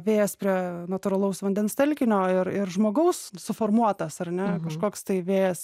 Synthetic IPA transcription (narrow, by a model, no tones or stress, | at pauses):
ʋʲeːjɛspʲɾʲiɛnɐt̪ʊɾɐlˠɐʊsʋɐnʲd̪ʲɛnst̪ʲɛlʲkʲɪnʲoːɪɾɪrʒmoːɡɐʊssʊfoːrmuɔt̪ɐsɐrnʲɛkɐʃkoːkst̪ɐɪʋʲeːjɛs